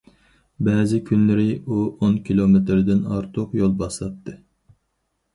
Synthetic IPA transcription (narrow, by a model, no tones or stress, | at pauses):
bɛːzɪkʲʰynlɪɾɪuonkʲʰilˠomet̪ɾɪd̪ɪnɑ̰ɾt̪ʰʊqjolˠbɑslˠɑp̚t̪ʰːɨ